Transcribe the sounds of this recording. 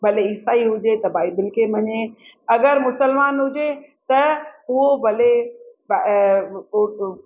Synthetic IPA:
bʱɐleɪsaːiɦʊd͡ʒet̪ɐbaːibɪlkemɐɲeɐɡəɾmʊsəlmaːnɦʊd͡ʒet̪ɐʊɦobʱɐleb

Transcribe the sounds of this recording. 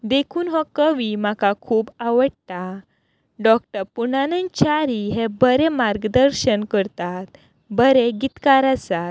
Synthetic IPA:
d̪ekʰuːnɦɔ̃kəʋim̤akakʰuːbaʋəɽt̪a | ɖɔk̚ʈəɾpuɳanənt͡ɕaɾiɦebəɾemaɾɡd̪əɾɕənkəɾt̪at̪ | bəɾeɡit̪kaɾasat̪̚

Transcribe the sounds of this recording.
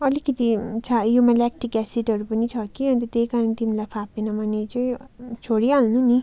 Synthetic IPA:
ʌlikʌt̪it͡sʰajumalak̚ʈikɛsiʈʌɾupʌnit͡sʰʌkiʌnt̪ʌt̪ekaɾʌnt̪imilajpʰapenʌmʌnet͡sʌĩt͡sʰoɽialnuni

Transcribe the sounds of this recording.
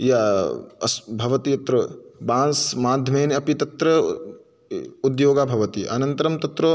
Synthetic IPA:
jɐɐsbʱɐʋɐt̪iɐt̪ɾɐbãːnsmaːd̪ʱjɐmeːnɐpit̪ɐt̪ɾɐ | ud̪joːɡaːbʱɐʋɐt̪iʔɐ̰nɐnt̪ɐɾɐmt̪ɐt̪ɾo

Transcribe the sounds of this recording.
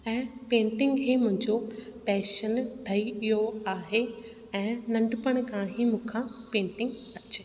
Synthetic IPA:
ɛ̃ːpẽːɳʈɪ̃ŋɡkʰeːmʊ̃ɦɪ̃ɲd͡ʑopɛːʃənɖʰʱɐiijoaːɦe | ɛ̃ːnɐ̃ɳɖpəɽ̃kãːɦimũːkʰãpẽːɳʈɪ̃ŋɡ | ɐt͡ɕɪ

